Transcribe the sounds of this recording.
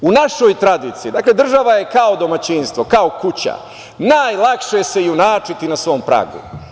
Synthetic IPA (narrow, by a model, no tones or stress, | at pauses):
unaʃo̞jt̪ɾad̪iːt̪sijid̪aːkle̞d̪r̩ʒaʋaje̞kao̞d̪o̞mat͡ɕinst̪ʋo̞kaokut͡ɕa̰ | naːjlˠakʃese̞iunaːt͡ʂit̪inasʋo̞mpɾa̰ɡṵ